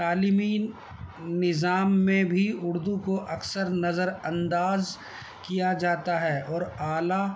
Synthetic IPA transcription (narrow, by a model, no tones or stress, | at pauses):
aːlimi | nɪzaːmːẽbʱiʊɽd̪ukoʔɐksəɾnɐzəɾɐ̃nd̪aːz | kijad͡ʒaːt̪aɦɛːɔːɾaːla